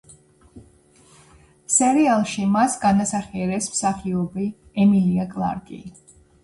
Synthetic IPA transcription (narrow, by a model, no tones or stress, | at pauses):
sɛɾialˠʃimasɡanasaχiɛɾɛsmsaχiɔbi | ɛmiliakʼlˠa̰ɾkʼḭ